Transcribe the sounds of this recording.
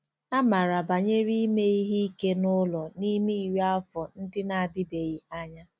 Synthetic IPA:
a˦ma˨ɾa˨ba˨ɲe˦ɾi˦me˦i˦ɦi˦i˦ke˦nʊ˦lɔ˨ni˦mi˦i˨wa˦fɔ˨n̩˦dɪ˦na˨a˨dɪ˦be˨ji˨a˦ɲa˦

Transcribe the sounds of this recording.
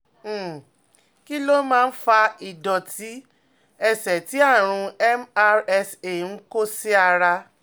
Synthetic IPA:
ki˦lo˦mãː˦˧˦fa˧i˨dɔ˨tʰi˨˦ | ɛ˧sɛ˨ti˨˦a˦˨ɾ̃ũ˧ɛ˦ma˧ɾɛ˧se˦˨n̩˨˦ko˦si˦a˧ɾa˧

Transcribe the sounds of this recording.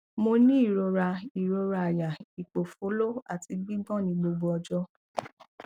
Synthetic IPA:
mo˧nĩ˦i˦˨ɾo˧ɾa˧i˨ɾo˧ɾa˧a˨ja˨i˨k͡po˨fo˨˦lo˦a̰˨ti˧ɡ͡bĩ˦ɡ͡bɔ̃˦˨nĩ˧˦ɡ͡bo˧ɡ͡bo˧ɔ˧d͡ʒɔ˦

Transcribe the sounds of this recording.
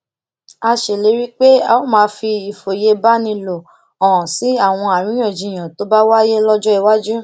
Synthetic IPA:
a˧ʃe˨le˨˦ɾi˦k͡pe˦a˧˨o˦mãː˧˦˧fi˧i˨fo˨je˧ba˦nĩ˧lo˨ | ɔ̃˨si˨˦a˦˨w̃ɔ̃˧a˨ɾ̃ĩ˨˦j̃ɔ̃˦˨d͡ʒĩ˨j̃ã˨to˨˦ba˦wa˦je˦lɔ˦d͡ʒɔ˦i˧wa˦d͡ʒu˦

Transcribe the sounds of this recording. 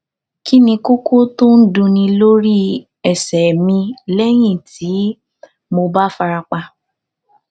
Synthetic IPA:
ki˦nĩ˧ko˦ko˦tõ˦n̩˦dũ˧nĩ˧lo˦ɾi˦ | ɛ˨sɛ˨mĩ˧lɛ˦j̃ĩ˦˨tʰi˨˦ | mo˧ba˦fa˧ɾa˧k͡pa˧

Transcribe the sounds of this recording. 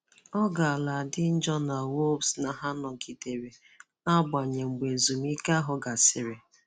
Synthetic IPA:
ɔ˦ɡa˨a˨la˨dɪ˦n̩˦d͡ʒɔ˦na˨wo˦bsna˨ɦa˦nɔ˨ki˨te˨ɾe˨ | na˦ɡ͡ba˨ɲe˨ŋ͡m̩˨ɡ͡be˨zu˨m˦i˦ka˦ɦʊ˨ɡa˨sɪ˨ɾɪ˨

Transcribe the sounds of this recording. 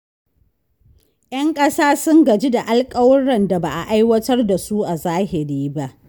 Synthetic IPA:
j̰ɐ˦ŋkʼɐ˦saː˦sʊ˦ŋɡɐ˨d͡ʒi˦da˨ʔa˦lkʼɐ˦wɐ˦ɽɐ˨nda˨baː˨ʔa̰˨ʔa˦jwɐ˦tɐ˦rda˨su˦ʔa˨zaː˦hɪ˨ɾiː˦ba˦ʔ

